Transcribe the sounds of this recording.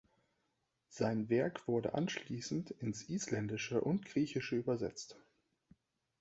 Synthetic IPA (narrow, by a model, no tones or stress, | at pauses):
z̥aɪnvɛɐkv̥ʊɐdə̰ʔa̰nʃliːsn̩tɪnsʔiːslɛndɪʃəʔʊntɡ̥ʁiːçɪʃəyːbɐzɛ̰t͡st